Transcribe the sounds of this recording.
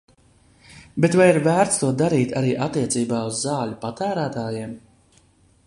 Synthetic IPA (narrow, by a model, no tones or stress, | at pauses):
bet̪vajiɾvæːɾt̪st̪uɔd̪aɾiːt̪aɾiːʔat̪ːiɛt̪siːbaːuzːɑːlʲupat̪æːɾæːt̪aːjiɛm